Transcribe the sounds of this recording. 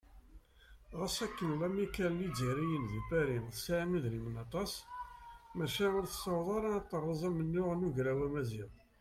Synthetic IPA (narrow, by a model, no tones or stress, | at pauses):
ʁəsækːənlæmikælnid͡ziɾijənðubæɾinθsʕməðlimənɑt̪ˤɑs | mæʃæʊɾθə̥sɑwðˤɑɾˤɑt̪ˤːərˤːɑzˤæmənːʊʁnuʝɾæwæmæziðˤ